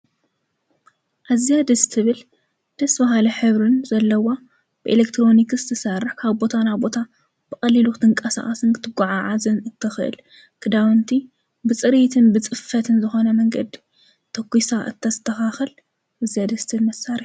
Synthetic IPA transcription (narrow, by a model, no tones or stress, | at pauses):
ʔazijad̪ɐst̪ʰɨβɨl | d̪̥ɐsbɐɦalɐħɨβɾɨnzɐlːɐwa | b̥ɨʔelekt̪ʰɾo̞nikzɨt̪ʰɐsɐrːɨħkʰaβbo̞t̪ʰanaβbo̞t̪ʰa | b̥ɨkʼɐlilut̪ʰɨŋkʼɐsa̰χʼɐsɨnkɨt̪ʰɨɡʷaʕaʕazɨnɨt̪ʰːɐxɨʔɨ̰l | kʰɨd̪awɨnt̪ʰi | bɨt͡sʼɨɾit̪ʰɨnbɨt͡sʼɨfɐt̪ʰɨnzɨxo̞nɐmɐŋɡɐ̰d̪i | t̪ʰɐkʷːisaʔɨ̰t̪ʰːɐzɨt̪ʰːɐxaxɨl | ʔazijad̪ɐst̪ʰɨlmɐsaɾiħ